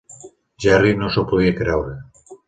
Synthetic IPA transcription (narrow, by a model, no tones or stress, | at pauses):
d͡ʒarinosopoðiekɾeawɾe